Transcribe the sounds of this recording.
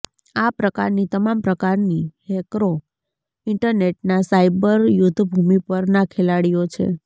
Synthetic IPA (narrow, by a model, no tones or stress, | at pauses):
apɾəkaɾnit̪əmampɾəkaɾnihekɾo | ɪɳʈəɾneʈnasaibəɾjʊt̪ʰːbʱumipəɾnakʰelaɽijot͡ʃʰḛ